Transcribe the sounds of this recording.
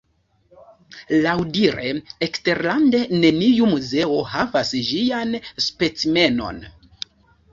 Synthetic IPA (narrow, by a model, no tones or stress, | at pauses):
lawdiɾeekste̞ɾlande̞ne̞nijumuze̞o̞havasʒianspe̞t͡sime̞no̞̰n